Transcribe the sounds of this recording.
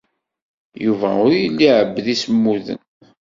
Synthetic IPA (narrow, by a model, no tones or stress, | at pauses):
juvæ̰ʊɾjəlːiʕəbːðisəmːuðə̰n